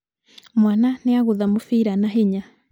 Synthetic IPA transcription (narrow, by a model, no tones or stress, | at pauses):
mwananeaɣoðamofiːɾanaɦeɲa